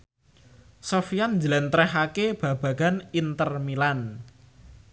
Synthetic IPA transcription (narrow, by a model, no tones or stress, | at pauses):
sofijanɲd͡ʒəlɛnt̪ɾɛhakeb̥ä̤b̥ä̤ɡ̥anint̪ərmilan